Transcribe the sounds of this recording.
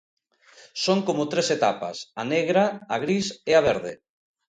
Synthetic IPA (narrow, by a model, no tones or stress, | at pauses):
soŋkomʊt̪ɾeset̪apa̰saneɣɾaːɣɾiseaβ̞eɾðḛ